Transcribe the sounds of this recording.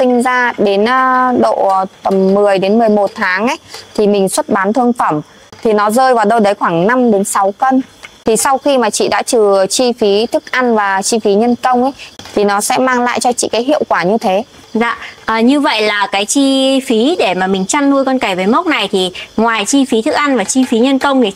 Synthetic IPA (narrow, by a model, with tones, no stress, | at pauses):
sï˧ŋ̟zaː˧ɗe˨˦nː˧ɗo̰˧˨˩t̪ə˨˩mːɨ˨˩əjɗe˨˦nmɨ˨˩əjmo˨˩t̚t̪ʰaː˨˦ŋʔə˧˦jt̪ʰi˨˩mï˨˩ŋ̟swə˦˥t̚ɓaː˨˦nt̪ʰɨ˧əŋfə˧˩m | t̪ʰi˨˩nɔ˨˦zəː˧jvaː˨˩wɗə˧wɗə˨˦jxwaː˧˩ŋna˧mɗe˨˦nsa˨˦wkə˧nt̪ʰi˨˩sa˧wxi˧maː˨˩t͡ɕḭ˧˨ɗa̰ː˧˥t͡ɕɨ˨˩t͡ɕi˧fi˨˦t̪ʰɨ˦˥k̚ʔa˧nvaː˨˩t͡ɕi˧fi˨˦ɲə˧nkə˧wŋ͡mʔə˨˦jt̪ʰi˨˩nɔ˨˦sɛ̰˧˥maː˧ŋla̰ː˧˨jt͡ɕɔ˧t͡ɕḭ˧˨kaː˨˦jɦḭ˧˨əwkwaː˧˩ɲɨ˧t̪ʰe˨˦ | za̰ː˧˨ʔʔəː˨˩ɲɨ˧və̰˧˨jlaː˨˩kaː˨˦jt͡ɕi˧fi˨˦ɗe˧˩maː˨˩mï˨˩ŋ̟t͡ɕa˧nːu˧jkɔ˧nka˧˩jvəː˨˦jmə˦˥k͡p̚na˨˩jt̪ʰi˨˩ŋwaː˨˩jt͡ɕi˧fi˨˦t̪ʰɨ˦˥k̚ʔa˧nvaː˨˩t͡ɕi˧fi˨˦ɲə˧nkə˧wŋ͡m